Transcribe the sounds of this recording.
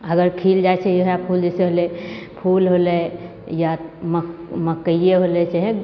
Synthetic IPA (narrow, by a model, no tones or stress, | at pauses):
əɡəɾkʰild͡ʒat͡ʃʰɛjɦjapʰuld͡ʒɛseɦolepʰulɦole | jamməkəieɦolet͡ʃaɦẽ